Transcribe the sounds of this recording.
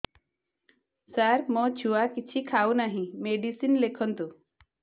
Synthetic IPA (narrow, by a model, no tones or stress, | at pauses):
saɾmɔ̃t͡ʃʰuakit͡ʃʰikʰawnaɦĩmeɖisinlekʰɔnt̪u